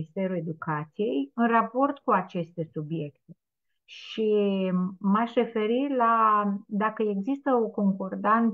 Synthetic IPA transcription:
ist̪e̞ɾue̞d̪ukat̪sije̞jɨnrapo̞rt̪kuat͡ʃe̞st̪e̞subje̞kt̪e | ʃi | maʃre̞fe̞ɾilad̪akəe̞ɡzist̪əo̞ko̞ŋko̞rd̪an

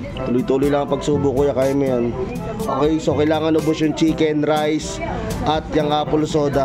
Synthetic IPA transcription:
t̪uːlojt̪uːlojlɐŋɐŋpɐɡsuːbʊkʊjakaːjɐmɐjon | ʔokɐjsokɐjlaːŋɐnobʊʃoŋt͡ʃiːkɛnɾajs | ʔɐt̪̚jɐŋʔaːpʊlsoːd̪ɐ

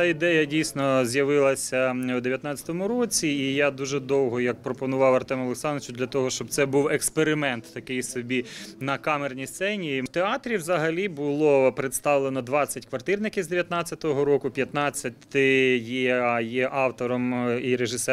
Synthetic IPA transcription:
aid̪ɛjɐdʲijsʲnɔzʲjɐʋɪlˠɐsʲɐwd̪eʋjɐt̪nɑt͡sʲɐ̥t̪ɔmʊɾɔt͡sʲiːjad̪uʒɛd̪ɔwɦɔjɐk̚pɾɔpɔnʊʋɑwɐrt̪ɛmɔlˠeksɑnt͡ʃʊd̪lʲɐt̪ɔɦɔʃt͡ʃɔb̚t̪sɛbuwekspeɾɪmɛnt̪ːɐkɪjsɔbʲinɐkɑmernʲijst̪sɛnʲit̪eɑt̪ɾʲiwzɐɦɐlʲibʊlˠɔpɾɪt̪st̪ɑʋlˠenɔd̪ʋɑt͡sʲːɐtʲkʋɐrt̪ɪrnɪkʲizd̪eʋʲjɐt̪nɑt͡sʲːɐt̪ɔɦɔɾɔkʊpʲjɐt̪nɑt͡sʲːɐt̪ʲɪjijɛʔɑwt̪ɔɾɔmiɾeʒɪsɛ

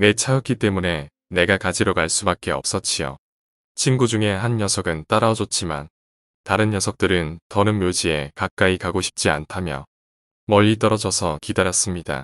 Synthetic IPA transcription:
ne̞t͡ɕʰaɯk͈it͈e̞mune̞ | ne̞ɡakad͡ʑiɾoɡaɭs͈ubak͈e̞ʌ̰p̚s͈ʌt͡ɕ͈ʰijo̰ | t͡ɕʰinɡud͡ʑuŋe̞ɦanjʌsʰʌɡɯnt͈aɾaʌd͡ʑot̚t͡ɕ͈ima̰n | taɾɯnjʌsʰʌk̚t͈ɯɾɯntʌnɯnmjod͡ʑie̞kak̚k͈aikaɡoɕʰi̥p̚t͡ɕ͈ia̰ntʰamjʌ | mʌʎːit̬͈ʌɾʌd͡ʑʌsʰʌkidaɾjʌs͈ɯmɲida̰

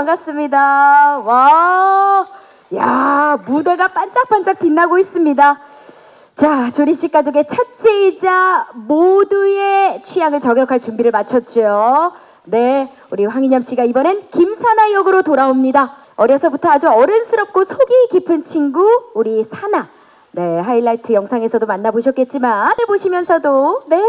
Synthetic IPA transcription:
akas͈ɯmɲidawa | jamudeɡap͈and͡ʑ͈ak̚p͈and͡ʑ͈ak̚tinːaɡois͈ɯmɲida | t͡ɕat͡ɕoɾimɕ͈ik͈ad͡ʑoɡe̞t͡ɕʰat͡ɕ͈eid͡ʑamodue̞t͡ɕʰijaŋɯɭt͡ɕʌɡjʌkʰaɭt͡ɕumbiɾɯɭmat͡ɕʰʌt̚t͡ɕ͈ojo | ne̞ | uɾiɸwaŋiɲamɕ͈iɡaibʌnenkimsʰanajʌɡɯɾotoɾaomɲida | ʌɾjʌsʰʌbutʰʌad͡ʑuʌɾɯnsʰɯɾʌp̚k͈osʰoɡikipʰɯnt͡ɕʰiŋɡuuɾisʰana | ne̞ɦailːaitʰɯjʌŋsʰaŋe̞sʰʌdomanːaboɕʰʌk͈̚e̞t̚t͡ɕ͈imaeboɕʰimjʌnsʰʌdone̞

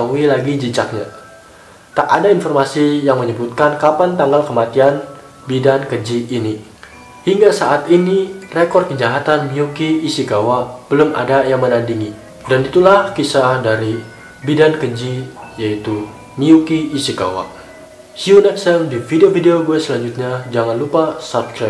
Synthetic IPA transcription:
aɦuilaɡid͡ʒit͡ʃak̚ɲa̰ | t̪aʔadainfɔrmasijaŋməɲəbut̪̚kankapant̪aŋɡalkəmat̪ian | bidankəd͡ʒiːni | hiŋɡasaʔat̪inirekɔrd̪̚kəd͡ʒaɦat̪anmiukiːsiɡawab̥əlʊma̰dajaŋmənandiŋi | danit̪ulahkisadaɾi | bidankəd͡ʒijait̪u | miukiːsiɡa̰wa̰ | hiunɛksɛmdifideofideoɡuasəlaɲd͡ʒut̪̚ɲad͡ʒaŋanlupasapskɾap̚

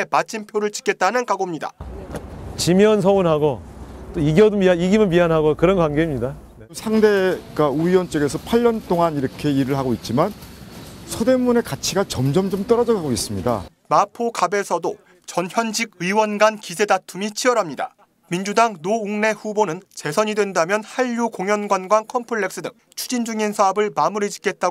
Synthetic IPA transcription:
emat͡ɕʰimpʰjoɾɯɭt͡ɕi̥k͈e̞t̚t͈anɯnkaɡomɲida̰ | t͡ɕimjʌns̬ʰʌonɦaɡot͈oiɡiʌdomiaiɡimɯnmianɦaɡokɯɾʌnkwanɡeimɲida | sʰaŋde̞ɡauiwʌnt͡ɕ͈ʌɡe̞sʰʌpʰaʎːʌnt͈oŋaniɾʌkʰe̞iɾɯɭhaɡoit̚t͡ɕ͈iman | sʰode̞mune̞kat͡ɕʰiɡat͡ɕʌmd͡ʑʌmd͡ʑʌmt͈ʌɾʌd͡ʑʌɡaɡois͈ɯmɲida̰ | mapʰokabe̞sʰʌdo | t͡ɕʌnçjʌnd͡ʑiɡ̚ɯiwʌnɡankisʰe̞datʰumit͡ɕʰiʌɾɦamɲida̰ | mind͡ʑudaŋnouŋne̞ɸubonɯnt͡ɕe̞sʰʌɲidwe̞ndamjʌnhaʎːukoŋjʌnɡwanɡwankʰʌmpʰɯɭːe̞ks͈ɯdɯ̰ŋ | t͡ɕʰu̥d͡ʑind͡ʑuŋinsʰaʌbɯɭmamuɾid͡ʑi̥k͈e̞t̚t͈a

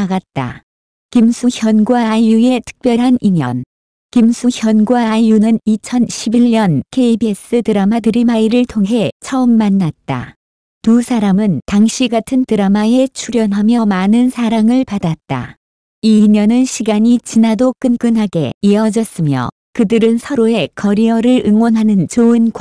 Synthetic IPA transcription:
aɡat̚t͈a̰ | kimsʰuçjʌnɡwaːjue̞tʰɯ̥k̚p͈jʌɾɦaniɲjʌ̰n | kimsʰuçjʌnɡwaːjunɯnit͡ɕʰʌnɕʰibiʎɲʌnkʰe̞ibies͈ɯtɯɾamadɯɾimaiɾɯɭtʰoŋɦe̞t͡ɕʰʌɯmːanːat̚t͈a̰ | kusʰaɾamɯntaŋɕʰiɡatʰɯntɯɾamae̞t͡ɕʰuɾjʌnɦamjʌmanɯnsʰaɾaŋɯɭpadat̚t͈a̰ | imjʌnɯnɕʰiɡaɲit͡ɕinadok͈ɯnk͈ɯnɦaɡe̞̰iʌd͡ʑʌs͈ɯmjʌ̰ | kɯdɯɾɯnsʰʌɾoe̞kʌɾiʌɾɯɾɯŋwʌnɦanɯnt͡ɕoɯnk

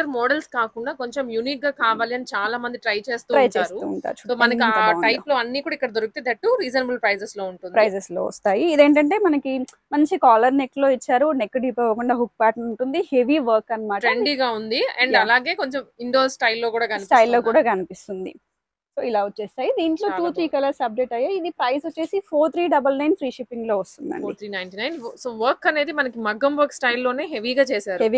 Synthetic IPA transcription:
ɐɾmɔːɖelskaːkuɳɖaːko̞ɲt͡ʃemjuniːk̚ɡaːkaːʋaːliɐnit͡ʃaːlaːmɐnd̪iʈɾɐjt͡ʃe̞ːst̪uːɾɐjt͡ʃeːsɾuṵːɳʈa̰ːɾut͡ʃu̥soːmɐnɐkiaunʈɐjploːɐnːiːkuːɽaikːɐɽɐd̪oɾukit̪ed̪ɐʈːuɾiːd͡ʒɐnbulpɾɐjseslo̞ːuɳʈundpɾɐijsesloːʋɐ̰st̪aːjiːd̪e̞ːɳʈɐɳʈe̞ːmɐnɐki | mɐɲt͡ʃikaːlɐɾneklo̞ːit͡ʃːaːɾunekːɖiːpɐʋɐkuɳɖaːɦuk̚ːpaːʈnuɳʈund̪ihe̞ʋiʋɐɾkɐnɐmaːʈɾɐeɳɖiɡaːund̪iɐɳɖɐlaːɡe̞ːko̞ɲt͡ʃemiɳɖoːsʈɐjlːo̞ːkuːɽaːkɐnipisʈɐjlːo̞ːkuːɽaːkɐnipist̪und̪ḭ | so̞ːilaːuːt͡ʃːeːst̪aːjid̪iːɳʈlo̞ːuːt̪ʰɾiːkɐlɐɾsɐb̚d͡ʒeʈɐjːaːid̪ipɾɐjsuːe̞ːsipʰoːɾt̪ʰɾiːɖɐbɐlnɐjnfɾiːʃipːiŋɡlo̞ːʋɐst̪und̪ɐ̰ɳḭt̪ɾiːnɐjnʈinɐjnsoːʋɐɾkːɐne̞ːd̪imɐnɐkimɐɡːɐmʋɐɾksʈɐjlːo̞ːne̞ːɦeʋiɡaːt͡ʃeːsaːɾueʋi

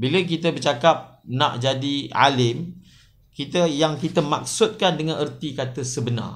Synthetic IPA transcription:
bilək̬it̪əbərt͡ʃakap̚nã̰ʔd͡ʒadia̰lɪm | kit̪əjaŋkit̪əmak̚sʊt̪̚kandəŋãnʔərt̪ikat̪əsəbəna̰r

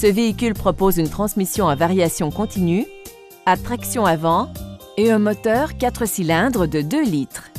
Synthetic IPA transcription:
səveikʲylpχɔpozynt̪χɑ̃smisjɔ̃ãvaʁjasjɔ̃kɔ̃t̪iny | at̪χaksjɔ̃avɑ̃ | eɛ̃mɔt̪œːʁkat̪χəsilɛ̃d̪ʁəd̪əd̪ølit̪χ

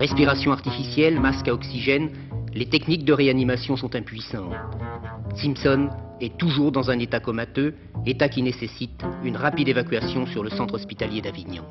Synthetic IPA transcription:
ʁɛspiʁasjɔ̃aʁt̪ifisjɛlmaskaɔksiʒɛn | let̪ɛknik̚d̪əʁeanimasjɔ̃sɔ̃t̪ɛ̃pɥisɑ̃t̪simpsɔn | ɛt̪uʒuʁd̪ɑ̃zɛ̃net̪akɔmat̪ø | let̪akʲinesesit̪ynʁapid̪evakʲɥasjɔ̃syʁləsɑ̃t̪χɔspit̪aljed̪aviɲɑ̰̃

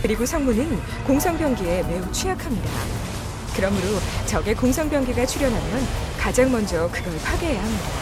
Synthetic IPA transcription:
kɯɾiɡosʰʌŋmunɯn | koŋsʰʌŋbjʌŋɡie̞me̞ut͡ɕʰujakʰamɲida̰ | kɯɾʌmɯɾot͡ɕʌɡe̞koŋsʰʌŋbjʌŋɡiɡat͡ɕʰuɾjʌnɦamjʌnkad͡ʑaŋmʌnd͡ʑʌkɯɡʌɭpʰaɡeɦejaɦamɲidaa

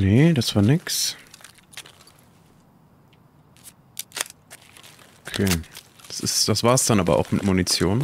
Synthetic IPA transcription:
ned̥asv̥aːɐnɪks | okʰeːd̥ḁsɪ̰std̥asv̥aːɐsd̥anʔaːbɐ̰ʔa̰ʊxmɪtmunit͡sjoːn

